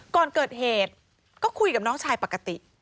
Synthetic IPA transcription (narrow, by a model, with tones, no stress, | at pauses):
kɔː˨˩nkɤː˨˩t̪̚heː˨˩t̪̚ | kɔː˥˩kʰu˧jka˨˩p̚nɔː˦˥ŋt͡ɕʰaː˧jpa˨˩kːa˧t̪i˨˩ʔ